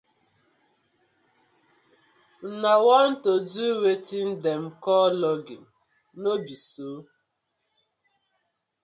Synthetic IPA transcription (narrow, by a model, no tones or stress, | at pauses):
nawan̩toduwetin̩dem̩kɔlɔɡḭn̩ | nobisuː